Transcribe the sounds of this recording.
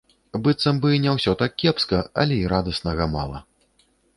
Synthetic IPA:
bɨt̪sɐmbɨnʲɛwsʲɔt̪ak̚ʲːɛpskɐɐ̰lʲɛiɾad̪ɐsnɐɣɐma̰lˠɐ̰

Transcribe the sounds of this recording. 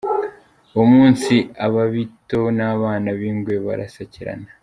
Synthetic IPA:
umuːnsiaβaβito̞naːβaːnaβiːŋɡweβa̰ɾa̰saciɾa̰na

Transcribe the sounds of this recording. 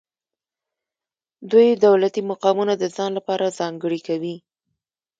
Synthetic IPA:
d̪ujd̪awlat̪imaqɑmunad̪əzɑnlapɑɾazɑŋɡəɽikawi

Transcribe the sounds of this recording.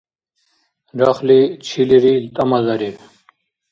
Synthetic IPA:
ɾaχlit͡ɕʰiliɾilt̪ɐmɐzɐɾi

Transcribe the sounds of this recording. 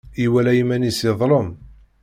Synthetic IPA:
iwælæjimænisɪðˤlˤəm

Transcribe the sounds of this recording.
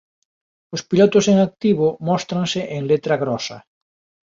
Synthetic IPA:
ʊspilɔt̪ʊseŋak̚t̪iβʊmɔst̪ɾaŋsɪʔeŋlet̪ɾɐɣɾɔsɐ̰

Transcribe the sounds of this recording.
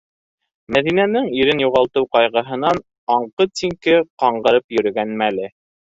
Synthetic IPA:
mæðinænɘŋiɾɘnjuʁɑlˠt̪ɤwqɑjʁɤ̆ɦɤ̆nɑn | ɑɴqɤsiŋkɘqɑɴɢɤ̆ɾɤpjɵ̆ɾɵ̆ɡænmælɘ

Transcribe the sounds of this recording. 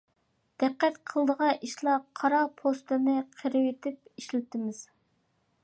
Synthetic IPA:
d̪̥ɛqːɛt̪qʰəlˠd̪əʁɑʔiʃlˠɑqʰɑɾɑpʰost̪ɨnɪqʰəɾɪwet̪ʰɪp̚iʃlɪt̪ɪmɪz̥

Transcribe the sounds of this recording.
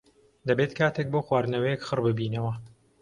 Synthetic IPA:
d̪ɐbeːt̪kʰaːt̪ʰeːk̚boːxwaːɾnɐwɐjekxɨrbɨbiːnɐwɐ

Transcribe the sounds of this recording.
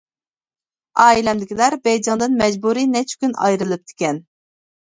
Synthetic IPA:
ɑːilɛmd̪ɪkʲilæɾbɛjd͡ʒɑŋd̪ɨnmɛd͡ʒbuɾinɛt͡ʃʰkʲynɑ̰jɾɨlˠɨp̚t̪ʰɪ̥kʲɛn

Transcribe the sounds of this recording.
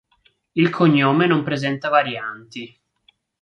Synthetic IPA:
ilkʰoɲːoːmenompɾezɛnt̪avaɾjant̪i

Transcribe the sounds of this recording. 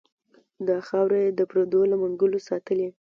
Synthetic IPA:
d̪ɑxɑwɾejd̪əpɾod̪olamʊŋɡəlosɑt̪əle

